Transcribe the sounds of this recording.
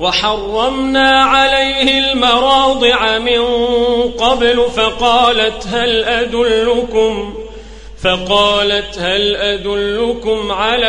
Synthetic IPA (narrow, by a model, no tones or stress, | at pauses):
wɑħɑrˤːɑmnaːʕalajhɪlmɑɾˤɑːd̪ˤɨʕamɪnqɑblfɑqɑːlat̪ɦalʔad̪ʊlːʊkʊm | fɑqɑːlat̪halʔad̪ʊlːʊkʊmʕala